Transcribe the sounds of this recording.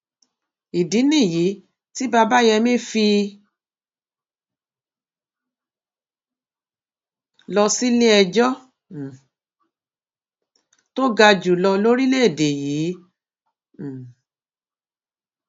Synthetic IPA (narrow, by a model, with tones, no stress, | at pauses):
i˨di˨˦nĩ˦˨ji˨˦ | ti˦ba˧ba˦jɛ˧mẽ˦fi˧ | lɔ˧si˦le˦ɛ˧d͡ʒɔ˦˨ | to˦ɡa˧d͡ʒu˨lɔ˧lo˦ɾi˦le˦e˦˨de˨jiː˨˦˨